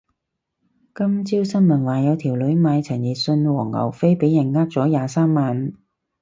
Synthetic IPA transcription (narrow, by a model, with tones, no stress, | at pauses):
kɐ˥mt͡siː˥wsɐ˥nmɐ˨˩nwaː˨˩jɐ˨˧wt̪ʰi˨˩wlɵ˨˥ɥmaː˨˧jt͡sʰɐ˨˩njiː˨˩t̚sɵ˧nwɔː˨˩ŋːɐ̰˨˩wfe˥jpe˨˥jːɐ˨˩nŋaː˥k̚t͡sɔː˨˥jaː˨˧saː˥mːaː˨˧n